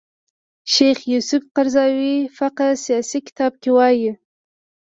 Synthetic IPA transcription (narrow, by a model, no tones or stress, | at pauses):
ʃejχjusʊfqaɾzɑwifaqasijɑsikɪ̥t̪ɑb̚kʲewɑji